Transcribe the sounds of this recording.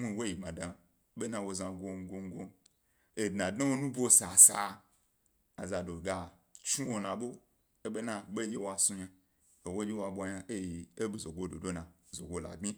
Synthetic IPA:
mʷu˦˨wo˦ji˨mã˨da˧˦ | ɓe˦nã˧wo˧zã˨ɡʷo˧ŋ˦ɡʷo˧ŋ˦ɡo˧ | e˨dnã˨dno˦wo˦nũ˦bʷo˦sa˨sa˨˦ | a˨za˨do˨ɡa˨ | t͡ʃi˦wo˨nã˨ɓo˦ | e˦ɓe˦na˧ɓe˦d͡ʒe˦wa˧˨sũ˧ɲa˧ | e˨wo˦d͡ʒe˦wa˧˨ɓʷa˧ɲa˧ʔe˦ji˨e˦bi˨zo˨ɡo˦do̰˨do˦nã˨ | zo˨ɡʷo˦la̰˨ɡ͡bʲi˦

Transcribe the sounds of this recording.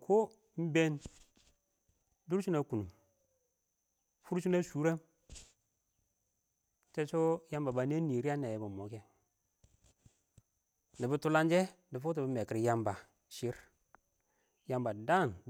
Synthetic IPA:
kʰo˦ | m̩˦be˦n | du˦ɾt͡ʃu˦na˨ku˨nu˨ | fu˦ɾt͡ʃu˦na˦su˦ɾa˦m˦ | t͡ʃe˦t͡ʃo˦ja˦mba˨ba˨ne˦ni˨ɾi˦a˦ne˨je˨ba˨mo˨˦ke˦ | ni˨bə˦tu˦la˦nd͡ʒe˦ | di˨fu˦t̬i˨bə˦me˨ki˨ɾja˨mba˨ | ʃi˦ɾ | ja˨mba˨da˦˨n

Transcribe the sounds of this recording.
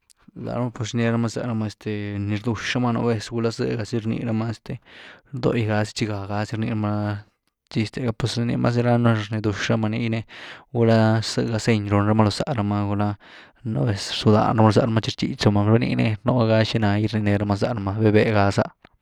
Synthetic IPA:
la̰˨ɾa˦ma˦˧pe˧s̬ne˧ɾa˦ma˧za̰˧ɾa˧ma˧e˧st̪e˧ni˧ɾd̪u˧ʂɾa˦ma˦˧no̰˧˦be˧sɡu˧la˦sɨ̰˦˧ɡa˧si˦ɾnḭ˧ɾa˦ma˧˦e˧st̪e˨ɾd̪o̰˧˨jɡa˧si̥˦t͡ʃi˧ɡa˨ɡa˧si˧˦ɾnḭ˧ɾa˦ma˧ | t͡ʃi˧st̪e˧ɡa˧pwe˧si˧nḭ˧mʔa̰˦s̬i˧ɾa˦no˧ɾni˧d̪u˧ʂɾa˦ma˧ni˧jne˧ɡu˧la˦sɨ˧ɡa˧se˧ɲɾo˧nɾa˦ma˧lo˧sa̰˧ʔɾa˧ma˧ɡu˧la˦˧ | no̰˧˦be˧ssu˧d̪a̰˧nɾa˦ma˧lo˧z̬a˧ɾa˧˦ma˧t͡ʃi˧ɾt͡ʃ̪ḭ˧˨t͡ʃa˧ma˧ɾnḭ˧ne˧no˧˦ɡa˧ʃi˧na˧jɾni˧ne˧ɾa˧ma˧z̬a˧ɾa˧ma˧be˦be˧ɡa˧sa̰˧ʔ

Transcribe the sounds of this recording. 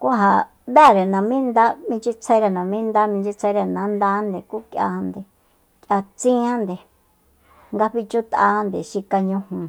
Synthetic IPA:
ku˦ɦa˧ | βɛ˦˨ɾe˨nã˨mĩ˦nd̪a˦mĩ˧t͡ʃi˦t͡sʰẽ˧˦ɾe˧nã˨mĩ˦nd̪a˦mĩ˧t͡ʃi˧t͡sʰe˧ɾe˧nã˨˧˦nd̪a˧˦nd̪e˨ku˦kja̰˧nd̪e˨ | kʲʔa˧t͡sĩ˦ã˦nd̪e˨ | ŋɡa˧ɸi˧t͡ʃu˦t̪ʔa˧˦˧nd̪e˨ʃi˧ka˧ɲũ˧hũ˨

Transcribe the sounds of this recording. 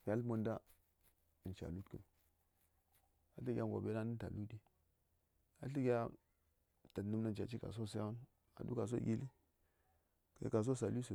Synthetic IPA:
ɡʲa˨˦mo˦nda˦ | ɨ˨t͡ʃa̰˨lu˦tkɨ̰˨n | a̰˨ɬi˦ɡʲa˦˨ɡo̰˨be˦na˦nɨ˦n˦ta̰˨lu˦di˦ | a˨ɬi˦ɡʲa˦ | ta˨tnɨ˦mna˦˨nt͡ʃa˨t͡ʃi˦ka̰˨s̬o˦˨s̬ja˦u˦n | a̰˨dṵ˦ka˨s̬o̰˦ɡʲi˦li˦ | ka̰˨˦ka˨s̬o˦sa˨lu˦sə˨

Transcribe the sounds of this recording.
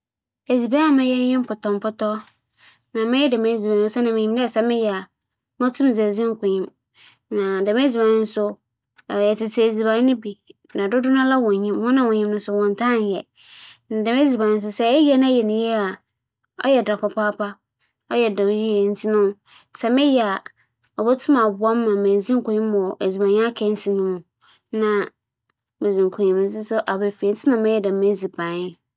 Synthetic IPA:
e˨d͡zi˨bɛ˦a˨mɪ̃˦jɛ˦n˦jɪ̃˦m˦pʊ˨tɔ̃˨m˨pʊ˦tɔ˦ | nã˨mɪ̃˦jɛ˦dɛ˨me˨˦d͡zi˨bã˨n˦sɛ˦nã˨mɪ̃˨ɲĩ˦mdɪ˦ɛ˨sɛ˨mɪ̃˦jɛ˨a˨ | m˦ɔ˦tʰũ˦m˨zɛ˨zɪ̃˦ŋ˦kʷʊ̃˨ɲɪ̃˦m | nã˨dɛ˨m˦ɛ˦d͡zi˨bã˨n˦n˦sʊ˦˨ | jɛ˨tɪ˨tʰi˨e˨d͡zi˨bã˨˦nɪ̃˦bi˨ | nã˨dʊ˦dʊ˦nã˦la˦wɔ̃˨ɲĩ˦mhɔ̃˦nã˦wɔ̃˨ɲĩ˦mnʊ̃˦sʊ˦wɔ̃˨ntʰã˦˨n˨jɛ˨ | nã˨da˨m˦ɛ˦d͡zi˨bã˨ɪ˦s̬ʊ˦sɛ˦ɛ˦jɛ˦nã˦jɛ˨nɪ̃˨jɛ˦a˨ | ɔ̰˦jɛ˨dɾa˨ka˨pa˦pa˦ | ɔ˦jɛ˨da˨wji˦ɛ˨n̩˦tʰi˦nʊ̃˦ | sɛ˨mɪ̃˦jɛ˨a˨ | ɔ˨bɔ˦tʰʊ̃˦mã˨bʊ˨a˦mː˦ã˨mẽ˨zi˦ŋ̩˦kʊ˨ɲĩ˦mː˦ɔ˨ʔe˨d͡zi˨bã˨ɲ˦a˦kʰɛ̃˦n̩˦si˨nʊ̃˦mʊ̃˨ | nã˦ | me˨zĩ˨ŋ˨kʰʊ̃˨ɲĩ˨m˨˦sɪ˦sʊ˦ʔa˨bɛ˨fi˨e˨˦t͡sʰɪ˦nã˦mɪ̃˦ɛ˨da˨me˦d͡zi˨bã˨ɲ˦

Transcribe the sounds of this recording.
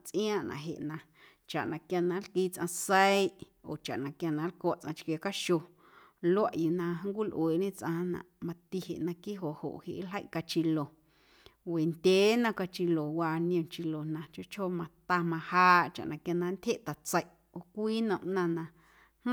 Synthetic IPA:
t͡sʔij̃ãː˦˨ʔnʔã̰˧˨ɦḛ˨ʔnã˧ | t͡ʃa̰˨ʔnã˧kja˧nã˧˦lkiː˧t͡sʔã̰˧sə˦i˦ʔ | o̰ː˨t͡ʃa̰˨ʔnã˨kja˧nã˧˦lko˧˦˨ʔt͡sʔã˧t͡ʃkje˧ka˦ʃo˧ | lo˦a˦ʔju˧nã˧˦ŋ˦kʷi˦lʔweː˨ʔɲẽ˦t͡sʔã˧nã̰˨ʔmã˧t̪i˧hḛ˨ʔnã˧ki˦ɦo˨ʔho̰˨ʔhḛ˨ʔlə˦jʔka˧t͡ʃi˧lo˨ | we˨nd̪ʲeː˨˦nã˧ka˧t͡ʃi˧lo˨waː˧nj̃õ˨t͡ʃi˧lo˨nã˧˨t͡ʃo˦ʔt͡ʃho˦mã˧t̪a˧mã˧haː˦ʔt͡ʃa̰˨ʔnã˨kja˧nã˧˦nt̪ʲhe˦ʔt̪a˨t͡sə˧˨jʔ | o˨kʷiː˦nə̃˨ʔnã˧nã˧˦

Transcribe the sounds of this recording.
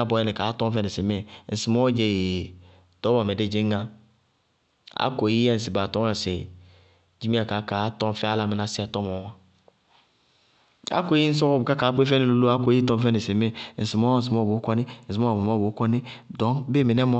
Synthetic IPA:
a˦˨bɔ˨jɛ˦ne˨ka˨˦tɔ˦mfɛ˦ne˨se˨me˦˨n̩˨si˨mɔ˦d͡ʒe˨je˨ | tɔ˨˦ba˨me˨de˦d͡ʒe˦ŋa˦ | a̰˦ko˨ji˦ɛ˦˨n̩˨s̬i˨ba˨tɔ˦ŋ˦a˨se˨ | d͡ʒi˦mi˦a˨ka˨˦ka˨˦tɔ˦m˦fɛ˦a˦la˦mi˨na˨si˦a˨tɔ˦mɔ˨˦a˦ | a̰˦ko˦i˦n̩˦s̬ɔ˦kɔ˦˨bka˦ka˨˦k͡pe˦fɛ˦ne˨lo˦lo˦a˦ko˨˦ji˦tɔ˦m˦fɛ˦ne˨se˨me˦˨n̩˨si˨mɔ˦n̩˨s̬i˨mɔ˦bo˨˦kɔ˦ni˦n̩˨si˨mɔ˦˨ɔ˦˨bo˨˦kɔ˦ni˦dɔ˨˦ŋbe˦˨mi˨nɛ˦mɔ˦

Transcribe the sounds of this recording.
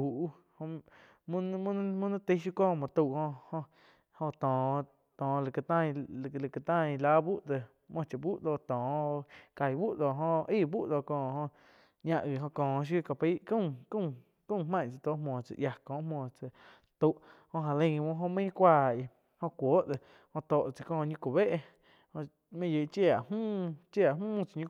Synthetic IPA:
u˨ʔ | ho˧ | mũ˦mũ˦mũ˦nã˦t̪i˦ʃ̬u˦kɔ̃ː˦˨mɔ̃˨t̪u˧˨ʔhõ˧ʔhõ˧ | hõ˧t̪ɔ̃ː˨ | t̪ɔ̃ː˨lki˧˨t̪ã˧˨˧lki˧t̪ã˦˧ĩ˧la˦bu˦ʔd̪e˧˨ | mɔ̃˧t͡ʃa˨bu˦ʔd̪o˧˨t̪ɔ̃ː˨o˧ka˨jbu˦ʔd̪o˨ɦõ˧ʔiː˦˨bu˦ʔd̪o˧˨kɔ̃ː˧˨hõ˧ʔ | ɲã˧ʔɣi˨ɦõ˧kɔ̃ː˨ʃ̬u˦ka˧pi˦ʔkũ˦˨kũ˦˨ | kũ˦˧hmã˦˧˨t͡sa˨t̪o˦ʔmɔ̃ː˨t͡sa̰˨ʔja˧kɔ̃ː˨ʔmɔ̃ː˨t͡sa˨ | t̪u˧˨ʔhõ˧ʔɦã˧lə̃˧mõ˧ɦõ˧mə̃˦kʷaː˦˧˨i˧˨ | hõ˧kʷoː˨˦ʔt̪e˨ | hõ˧t̪o˨ʔt͡si˧˨kɔ̃ː˧˨ɲũ˦kʷu˨βe˦ʔ | hõ˧ʔ | mẽ˦ʔji˨ʔt͡ʃe˧a˨ʔhũː˦t͡ʃe˦˧a˨mũː˦t͡sa˧˨ɲũ˧

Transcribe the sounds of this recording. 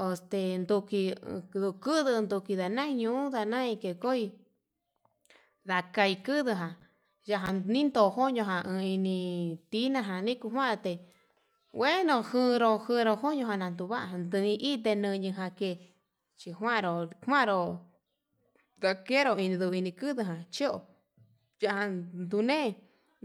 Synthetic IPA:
o˧st̪e˧nd̪u˧ki˧ðu˧kɨ˦ðɨ˧nd̪u˧ki˧ða˨nã˦˧ɲũ˧˦ũ˦ða˧nã˦ĩ˧ke˧ko˦i˧ | ða˧ka˧i˧kɨ˦ðɨ˧ɦã˨ | ja˧ɦa˧nĩ˦nd̪o˧˨ho˦ɲõ˧ɦã˧ʔɨ̃˧i˧nĩ˧t̪i˦nã˧ɦã˧˨nĩ˦ku˧ɦwã˦ɾo˧t̪e˧ | we˦nõ˧hɨ̃˧ɾo˧hɨ̃˧ɾo˧ho˦ɲõ˧ɦã˧nã˧nd̪u˧βa˦ʔa˧nd̪ɨ˧ĩ˧ʔi˦t̪̬e˧nɨ̃˧ɲɨ̃˧ɦã˧ke˧˨ | t͡ʃi˧ɦwã˦˧ɾo˨hwã˦˧ɾo˧ | ða˧ke˦ɾo˧i˧nĩ˧ðu˧i˧nĩ˧kɨ˦ðɨ˧ɦã˨t͡ʃi˦o̰˧˨ | ja˧ʔhã˧nd̪u˧nẽ˦˧

